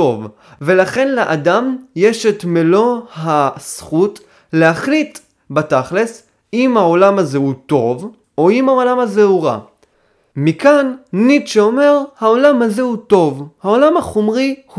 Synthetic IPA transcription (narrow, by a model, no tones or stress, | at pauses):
o̞v | ve̞laχe̞nleʔadamje̞ʃetmelo̞hasχut | lehaχlit | bataχles | imhaolamhazehuto̞v | o̞imao̞lamhazehuʁa̰ | mikanːitʃeome̞ʁhao̞lamhazehuto̞vhaolamaχomʁih